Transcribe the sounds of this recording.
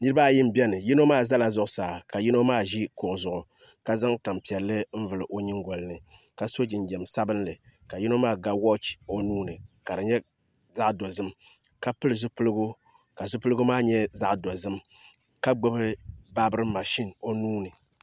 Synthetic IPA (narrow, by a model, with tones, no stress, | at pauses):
nɨ˦ɾɨ˦ba˦˨ji˦m̩˦bɛ˦nɨ˨ji˦no˦maː˦za˦la˨zʊ˦ʔʊ˦saː˨ka˨ji˦no˦maː˦ʒi˦kʊ˨ʔʊ˨zʊ˨ʔʊ˨ | ka˦za˦ŋta˨mpi˨ɛ˨lːɨ˦m̩˦vɨ˨lɨ˨ʔo˨ɲi˦ŋɡɔ˨lɨ˦nɨ˨ | ka˨so˦d͡ʒɪ˨n˨d͡ʒɛ˨msa˦bɨ˦nlɨ˨ka˨ji˦no˦maː˦˨ɡa˦wɔ˦t͡ʃo˨nuː˦nɨ˨ka˨ɾɨ˨ɲɛ˦ | za˦ʔdo˨zɨ˦m | ka˦pɨ˦lɨ˨zʊ˦pɨ˦lɨ˦ɡʊ˦ | ka˨zʊ˦pɨ˦lɨ˦ɡu˦maː˦ɲɛ˦za˦ʔdo˨zɨ˦m | ka˦ɡ͡bɨ˦bɨ˦ba˦bɨ˦ɾɨ˦ma˨ʃi˦no˦nuː˦nɨ˨